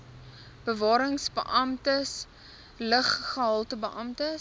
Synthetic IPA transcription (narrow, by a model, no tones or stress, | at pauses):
b̥əvɑːɾəŋsbəʔɐmtəs | ləχχəɦɐlˠtəbəʔɐmtə